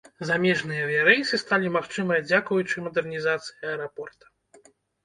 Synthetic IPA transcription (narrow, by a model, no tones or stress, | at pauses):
zamʲɛʐnɨjɐvʲijɐɾɛjsɨst̪alʲimaxt͡ʂɨmɐjɐd͡zʲakujut͡ʂɨmɐd̪ɛrnʲizat̪sɨ̥jɐɐɛɾapɔrt̪ɐ̥